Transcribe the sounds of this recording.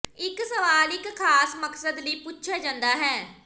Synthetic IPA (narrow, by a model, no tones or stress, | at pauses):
ɪksəʋaːlɪkːʰaːsməksəd̪ləiːpʊtːʃʰaːd͡ʒãːnd̪aːɦɛː